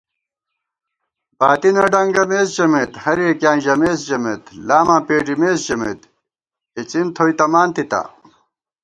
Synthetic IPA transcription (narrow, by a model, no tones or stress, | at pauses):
baːt̪inɐɖɐŋɡɐmeːsʑɐmet̪hɐɾiekjãːnʑɐmeːsʑɐmet̪laːmãːpeːʈimeːsʑɐmḛt̪ | it͡sint̪ʰoːit̪ɐmaːnt̪it̪a̰